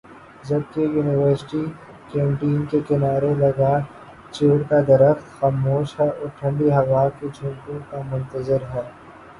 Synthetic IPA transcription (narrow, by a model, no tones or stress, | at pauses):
d͡ʒɐb̚kejuːnɪʋəɾsɪ̥ʈi | kɛ̃ːmpiːənkekɪnaːɾelɐɡa | t͡ʃeːɾkad̪ɐɾəxxaːmoːʃɦɛʔʊʈʰə̃ɳɖiɦɐʋaːked͡ʒʱũːmkõkamʊ̃nt̪əzɪɾɦɛː